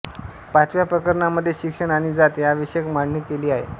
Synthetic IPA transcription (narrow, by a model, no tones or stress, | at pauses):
pat͡sʋjapɾəkəɾɳaməd̪ʱːjeɕikʂəɳaɽ̃id͡zat̪eaʋəɕjəkm̤aɽɳiːkeliːaɦḛ